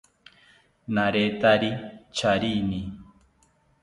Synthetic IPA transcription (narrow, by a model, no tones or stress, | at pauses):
naɾet̪aɾit͡ʃaɾini